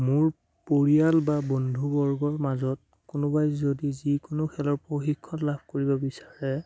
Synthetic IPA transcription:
mʊɹ | poɹialbabɔndʱubɔɹɡɔɹmazɔt̚ | kʊnobajzodizikʊnokʰɛlɔɹpoxikʰːɔtlabʱkoɹibɔbisaɹɛ

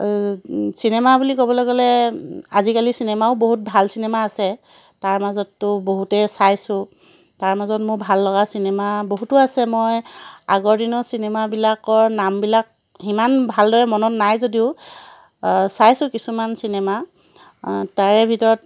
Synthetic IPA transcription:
sinemabulikobɔlɔɡɔlɛazikalisinemaʊboɦut̚bʱalsinemaːsɛ | taɹmazɔtːʊboɦutɛsajsʊ̃ | taɹmazɔtmʊɹbʱalːɔɡasinɛmaboɦutʊasɛmɔjaɡɔɹdinɔsinɛmabilakɔɹnambilak̚ | imanbʱaldɔɹɛmɔnɔtnajzodiʊ | sajsʊ̃kisumansinema | aɹɛbʱitɔɹɔt̚

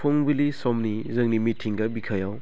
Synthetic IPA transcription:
pʰoŋbilisomnizɐŋnimitʰiŋɡɐbikʰajaw

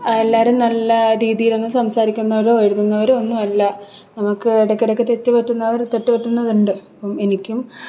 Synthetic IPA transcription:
ɐelːaːɾumnɐlːɐɾiːðijilo̞nːɨsɐmsaːɾikʲːunːɐʋɐɾoːeɻuðunːɐʋɐɾuonːumɐlːɐ | nɐmukːɨeɽɐkːiɽokːet̪etːɨpeʈːunːɐʋɐɾt̪etːupeʈːunːɐðuɳɖɨɐpːome̞nikʲːum

